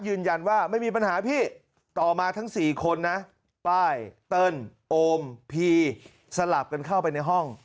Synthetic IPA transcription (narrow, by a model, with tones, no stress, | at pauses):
jɯː˧nja˧nwaː˥˩ma˥˩jmiː˧pa˧nhaː˩˦pʰiː˥˩ | t̪ɔː˨˩maː˧t̪ʰa˦˥ŋsiː˨˩kʰo˧nːa˦˥ | paː˥˩jt̪ɤ˥˩nʔoː˧mpʰiː˧ | sa˧la˨˩p̚ka˧nkʰa˥˩wpa˧jna˧jɦɔ˥˩ŋ